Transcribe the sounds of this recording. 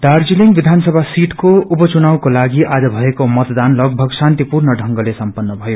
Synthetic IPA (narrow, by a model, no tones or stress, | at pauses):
d̪ard͡ziliŋɡbid̪ʱansʌbʱasiʈkoupʌt͡sunawkolaɡiʔad͡zʌbʱʌekomʌt̪d̪anlʌɡ̚bʱʌɡsant̪ipurnʌɖʱʌŋɡʌlesʌmpʌnːʌbʱʌjo